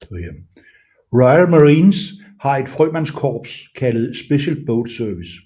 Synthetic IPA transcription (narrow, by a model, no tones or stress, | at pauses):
ʁɑɪlməʁiːns | hɑ̈e̝d̥fʁœmænskʰɒ̰ːb̥skʰæləð̞̩ˠsb̥e̝ɕəlb̥oʊd̥sœɐʋis